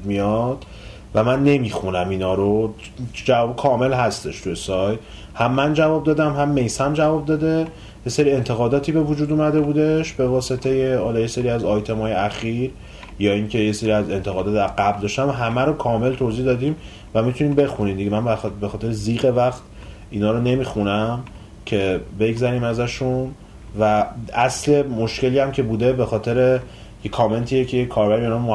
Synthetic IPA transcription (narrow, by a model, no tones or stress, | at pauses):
mijɒd̪̥ | væmænːe̞miːxunæminɒːɾo | d͡ʒævɒːbikʰɒːme̞lɦæst̪e̞ʃt̪ʰujesɒjt̪ | hæmːænd͡ʒævɒːb̚d̪ɒːd̪æmɦæmːe̞jsæmd͡ʒævɒːb̚d̪ɒːd̪e | je̞seɾie̞nt̪ʰe̞ɣɒːd̪ɒːt̪ʰiːbe̞vud͡ʒuːd̪umæd̪e̞bud̪e̞ʃbe̞vɒːse̞t̪ʰe̞jehɒːlɒːjeseɾiːæzɒjt̪ʰe̞mɒːjeæxiːɾ | jɒːiŋcʰe̞jeseɾiæze̞nt̪ʰe̞ɣɒːd̪ɒt̪d̪æɾɡæbld̪ɒːʃt̪æmɦæmæɾokʰɒːme̞lt̪ʰozihd̪ɒːd̪iːm | væmit̪ʰuniːmbe̞xuniːmd̪iɟemænbæbe̞xɒːt̪ʰe̞ɾeziːɣe̞væχt̪ | ʔiːnɒːɾone̞miːxunæm | cʰe̞be̞ɡzæɾiːmæzæʃun | vææsle̞mo̞ʃce̞liːæmcʰe̞buːd̪e̞be̞xɒːt̪ʰe̞ɾe̞ | jekʰɒːme̞nt̪ʰiːjecʰejekʰːɒːɾbæɾieinɒmmo